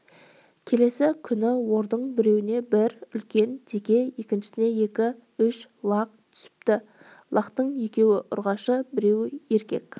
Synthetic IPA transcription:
kʲʰe̞le̞sɪkʲʰʏnɪwo̞ɾd̪əɴbɪɾe̞wɪne̞bɪɾʏlkʲe̞nd̪e̞kʲe̞je̞kʲɪnʃɪ̥sɪne̞je̞kʲɪ | ʏʃlˠɑq̚t̪ʰʏ̥sɪ̥p̚t̪ɪ | lˠɑqt̪əɴje̞kʲe̞wɪʔʊ̰ɾʁɑʃəbɪɾe̞wɪje̞ɾkʲe̞̰kʲ

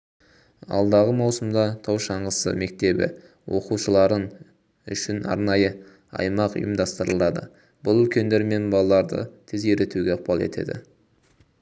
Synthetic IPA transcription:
ɑ̰lˠd̪ɑʁəmɑwsəmd̪ɑt̪ʰɑwʃɑɴʁəsə̰me̞k̚t̪e̞bɪ̰ | wo̞quʃəlˠɑɾən | ʏ̰ʃɪnɑ̰ɾnɑjə | ɑ̰jmɑqʊ̰jəmd̪ɑst̪əɾəlˠɑd̪ə̰ | bʊlˠʏlkʲe̞nd̪e̞ɾme̞nbɑlˠɑlˠɑɾd̪ə̰t̪ʰezeɾet̪ʰuɡʲeɑq̚pɑlˠe̞̰t̪ʰe̞̰d̪ɪ̰

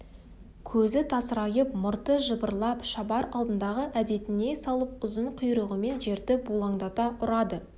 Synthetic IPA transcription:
kʲʰɵzɪt̪ʰɑsəɾɑjəp̚mʊɾt̪əʒəbəɾlˠɑpʃɑbɑɾɑlˠd̪ənd̪ɑʁəʔæd̪e̞t̪ɪne̞sɑlˠəp̚ʊzəɴqʰʊjɾəʁəme̞nʒe̞ɾd̪ɪbulˠɑɴd̪ɑt̪ɑʔʊɾɑd̪ə

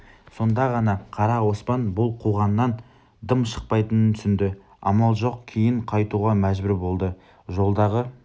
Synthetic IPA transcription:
so̞nd̪ɑʁɑnɑqʰɑɾɑwo̞spɑnbʊlˠqʰuʁɑnːɑn | d̪əmʃə̥q̚pɑjt̪ənənt̪ʰʏsɪnd̪ɪ | ɑ̰mɑlˠʒo̞qkʲʰe̞jɪɴqʰɑjt̪uʁɑmæʒbʏɾbo̞lˠd̪ə | ʒo̞lˠd̪ɑʁə

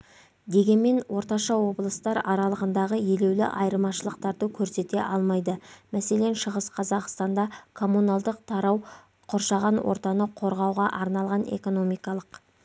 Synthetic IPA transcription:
d̪e̞ɡʲe̞nme̞nwʔo̞ɾt̪ɑʃɑwo̞blˠəst̪ɑɾɑɾɑlˠəʁənd̪ɑʁəje̞le̞wlɪ̰ʔɑjəɾmɑʃəlˠəqt̪ɑɾd̪əkʲʰɵɾse̞t̪e̞ʔɑlˠmɑjd̪əmæse̞le̞nʃəʁəsqʰɑzɑqst̪ɑnd̪ɑkʰo̞munɑlˠd̪əq̚t̪ʰɑɾɑw | qʰoɾʃɑʁɑnwo̞̰ɾt̪ɑnəqʰo̞ɾʁɑwʁɑʔɑɾnɑlˠʁɑne̞̰ko̞no̞mijkɑlˠəq

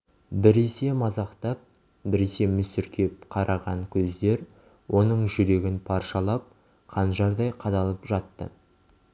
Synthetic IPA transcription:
bɪɾe̞se̞mɑzɑqt̪ɑp̚ | bɪɾe̞se̞mʏsʏɾkʲʰe̞p̚qʰɑɾʔɑʁɑɴkʲʰɵzd̪e̞ɾ | wʔo̞nəɴʒʏɾe̞ɡʲɪnpʰɑɾʃɑlˠɑp̚ | qʰɑnʒɑɾd̪ɑjqʰɑd̪ɑlˠəpʒɑt̪ːə̰

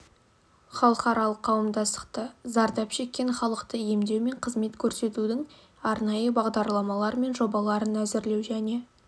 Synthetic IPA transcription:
χɑlˠəqɑɾɑlˠəqʰːɑwəmd̪ɑst̪ə̥qt̪əzɑɾd̪ɑpʃe̞kʲːe̞ɴχɑlˠəqt̪əje̞md̪e̞wme̞ɴqʰəzme̞t̪kʲʰɵɾse̞t̪ud̪ɪŋ | ɑɾnɑjəbɑʁd̪ɑɾlˠɑmɑlˠɑɾme̞nʒo̞bɑlˠɑɾənæzɪɾle̞wʒæne̞

